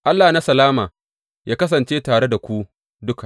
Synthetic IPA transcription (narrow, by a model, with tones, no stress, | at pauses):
ʔa˦lːaː˨na˦sɐ˨laː˦maː˨ | jaː˦kɐ˦s̬ɐ˨nt͡ʃeː˦taː˨ɽe˦da˨kʷu˦ | dʊ˦ka˨